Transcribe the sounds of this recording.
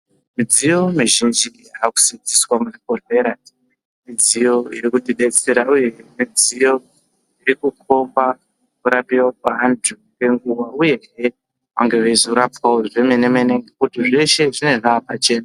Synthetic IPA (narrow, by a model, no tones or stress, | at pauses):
mid͡zijo̞miʒind͡ʒi | aku̥sid͡ziswamurikoɬe̞ɾa | mid͡zijo̞jekutiɗet͡se̞ɾauje̞mid͡zijo̞ | iɾikuk̚ʰo̞mba | kuɾapiwakaɦanduke̞ŋɡuwauje̞ɦe | ʋa̰ŋɡe̞ʋezuɾapwaoʐe̞menemeneŋɡekutiʐe̞ʃe̞ʐine̞ʐaːpat͡ʃe̞ːna